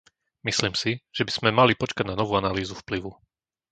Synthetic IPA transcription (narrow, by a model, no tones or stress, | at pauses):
misliːmsiʒ̥ɛbiz̥mɛmalipɔt͡ʃkaɟnanɔʋuːanaliːzufpliʋu